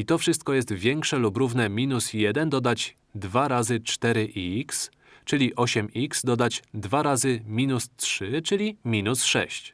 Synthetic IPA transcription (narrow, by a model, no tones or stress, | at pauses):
it̪ɔfʂɘst̪̚kɔjɛst̪vʲjɛŋkʂɛlupɾuvnɛmʲinusjɛd̪ɛnd̪ɔd̪ad͡ʑ | d̪vaɾazɘt͡ʂt̪ɛɾɘʔiiks | t͡ʂɘlʲiʔɔɕɛmikz̥d̪ɔd̪ad͡ʑd̪vaɾazɘmʲinustʂɘt͡ʂɘlʲimʲinusʂɛ̰ɕt͡ɕ